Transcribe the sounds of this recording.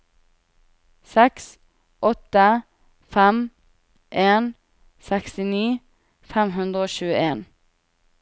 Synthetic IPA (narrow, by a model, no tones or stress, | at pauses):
sɛks | ʔɔt̪ə | fæm | ʔeːn | sɛkst̪ɪniː | fæmhʉnd̪ʁəoːʃʉːəeːn